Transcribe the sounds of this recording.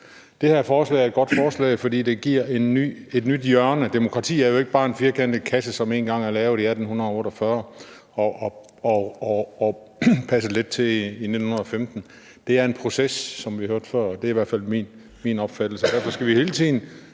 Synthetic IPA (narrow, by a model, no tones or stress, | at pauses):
d̥e̝hæɐ̰fɒːslɛ̰ɪɐed̚ɡ̥ɒ̽d̥fɒːslɛ̰ɪfɒ̽d̥ḭːd̥e̝ɡ̥iɐ̰enːy̰e̝d̥nyd̥jɶɐnəd̥emo̝kʰʁɑ̈t͡sʰḭːæɐjo̝e̝ɡ̥̚b̥ɑ̈ːe̝nfiɐkʰend̥əkʰæsəsɒ̽me̝ːnɡ̥ɑ̈ŋ̰æɐlɛːʊð̩ˠiæd̥n̩hunɐðˠɔ̽ːɾ̥ɒfɶɐ | ɒʔ | ɒɒː | pʰæs̬əle̝d̥̚t͡sʰe̝liːne̝d̥n̩hunɐðˠɒfemd̥n̩ | d̥e̝æɐe̝npʰʁo̝sesːɒ̽mʋihøɐ̰d̥fɶɐ̰d̥e̝ɐiʋæɐ̥fæl̰min | minɒ̽b̥fæd̥l̩səd̥æɐfɒ̽sɡ̥æʋihe̝ːlət͡sʰið̰ˠn̩